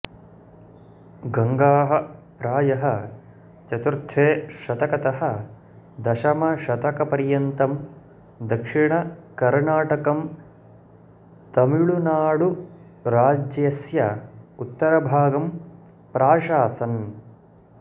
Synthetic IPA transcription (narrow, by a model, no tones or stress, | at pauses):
ɡɐŋɡaːɦɐ̆pɾaːjɐɦɐ | t͡ʃɐt̪uɾt̪ʰːeːʃɐt̪ɐkɐt̪ɐɦɐ̆ | d̪ɐʃɐmɐʃɐt̪ɐkɐpɐɾjɐnt̪ɐm | d̪ɐkʂiɳɐkɐɾɳaːʈɐkɐm | t̪ɐmiɭunaːɽu | ɾaːd͡ʒjɐsjɐut̪ːɐɾɐbʱaːɡɐm | pɾaːʃaːsɐn